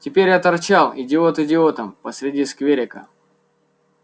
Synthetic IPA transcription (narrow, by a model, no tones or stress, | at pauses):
tʲɪpʲeɾʲat̪ɐrt͡ɕalˠɪdʲɪot̪ɪdʲɪot̪əmpəsʲɾʲɪdʲiskvʲeɾʲɪkə̰